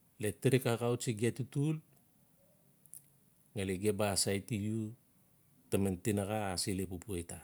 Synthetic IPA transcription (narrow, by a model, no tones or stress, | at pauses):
letiɾikakawt͡ʃiɡiatitul | ŋeleɡebaːsajtiju | tementinaɡaːsilepupuejta